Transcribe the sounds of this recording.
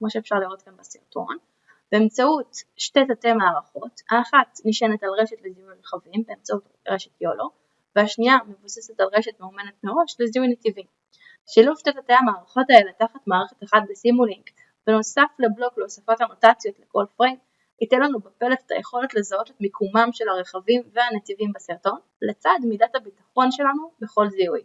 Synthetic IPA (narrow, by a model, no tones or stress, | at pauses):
kmoʃeːfʃaʁliʁo̞tkanbasiʁto̞̰n | b̥eemt͡sautʃte̞tatemaːʁaχo̞taːχatniʃenetalʁe̞ʃetleziuʁeχavimbeːmt͡saut | ʁeʃetjolo | veaʃniame̞vusesetalʁeʃetmeome̞netmeʁo̞ʃleziunetivim | ʃilufʃtet̪at̪ejamaːʁaχo̞tae̞letaχatmaːʁeχetaχat̚besimuliŋɡ | venosafleblo̞kleosafo̞thanotat͡sjo̞tleko̞lfʁed | it̪enlanubepelefe̥t̪ʰa̰jeχo̞letle̞zao̞tetmikʰumamʃe̞lhaʁeχavimveanet̪ivimbasiʁto̞n | let͡sadmidathabitaχo̞nʃe̞lanube̞χo̞lziuj